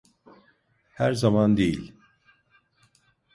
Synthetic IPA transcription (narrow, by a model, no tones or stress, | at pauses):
hæɾzamand̪ejilʲ